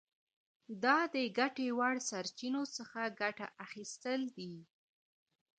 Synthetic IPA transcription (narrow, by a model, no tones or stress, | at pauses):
d̪ɑd̪əɡaʈewaɽsaɾt͡ʃinosəxaɡaʈaʔaxist̪əld̪i